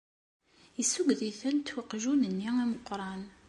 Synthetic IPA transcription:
əsːuɡðiθənt̪ːwəqːʒunənːiæməqːɾˤɑn

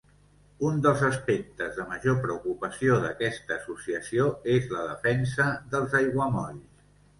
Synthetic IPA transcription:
und̪əlˠzəspek̚t̪əzðəməʒopɾəukupəsioðəkɛst̪əːsusiəsioezləðəfɛnsəðəlˠzəjɣwəmɔʎs

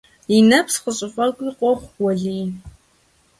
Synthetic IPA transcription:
inɐpsqəɕʼɪχʷɔkʷʼiqʷʼɔχʷwɔɮiː

